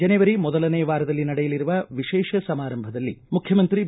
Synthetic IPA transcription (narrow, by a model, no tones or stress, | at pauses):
ɐnɛʋɐɾimɔd̪ɐlɐneːʋaːɾɐd̪ɐlːinɐɽɛjɐliɾuʋɐʋiʃɛːʃɐsɐmaːɾɐmbʱɐd̪ɐlːimukʰjɐmɐnt̪ɾi